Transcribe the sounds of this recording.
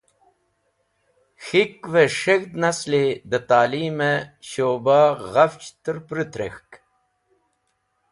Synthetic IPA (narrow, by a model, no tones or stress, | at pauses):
xikveʂeɣd̪nasled̪ət̪aːliːmeɕoːbaːʁaft͡ɕt̪ɨɾpɾɨt̪ɾḛxk